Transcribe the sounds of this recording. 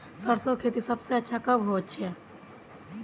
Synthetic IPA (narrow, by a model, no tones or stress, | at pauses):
səɾsõkʰeːt̪isəbseɐtːʃʰakəbɦotːt͡ʃʰɛ